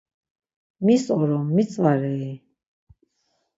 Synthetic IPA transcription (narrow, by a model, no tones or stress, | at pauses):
misɔɾɔmːit̪sʼvaɾɛi